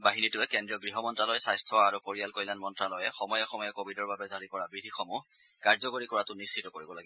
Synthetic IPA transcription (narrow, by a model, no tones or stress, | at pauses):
baɦinitʊɛkɛndɹijɔɡɹiɦɔmɔntɹalɔjsajstʰɔaɹupoɹialkɔjlanmɔntɹalɔjɛxɔmɔjɔxɔmɔjɔkobʱidɔɹbabɛzaɹikɔɹabɹidʱixɔmu | kaɹzɔkoɹikɔɹatʊnist͡ʃitɔkoɹibɔlaɡɛ